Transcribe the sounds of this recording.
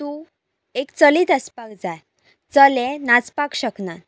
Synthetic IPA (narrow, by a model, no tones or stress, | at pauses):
t̪u | ekt͡səliːt̪əspakd͡zaj | t͡səlẽnat͡spakɕəknat̪